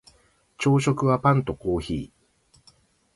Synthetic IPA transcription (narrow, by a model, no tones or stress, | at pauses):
t͡ɕo̞ːɕo̞kɯ̟βapãnt̪o̞ko̞ːçḭː